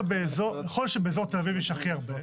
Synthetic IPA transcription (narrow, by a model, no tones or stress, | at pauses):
beːzoʁjeχolʃebeezoʁt̪elavivjɛʃaχiaʁbe